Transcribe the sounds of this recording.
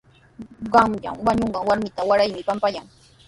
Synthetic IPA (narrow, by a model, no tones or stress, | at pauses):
ɢɑmʎa̰mwaɲoɴɢɑŋwaɾmɪt̪awaɾajmɪpampajaŋ